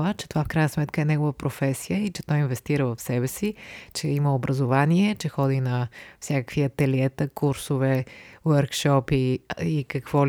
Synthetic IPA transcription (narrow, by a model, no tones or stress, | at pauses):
ət͡ʃɛ̥t̪ovafkɾajnəsmɛt̪kəɛnɛɡovəpɾofɛsijəit͡ʃɛt̪ɔjinvɛst̪iɾəvɐfsɛbɛsit͡ʃɛiməobɾʔəzovaniɛt͡ʃɛxɔd̪inɐfsʲjakəkviɐt̪ɛliɛt̪əkuɾsovɛwəɾkʃɔpiikɐkvɔl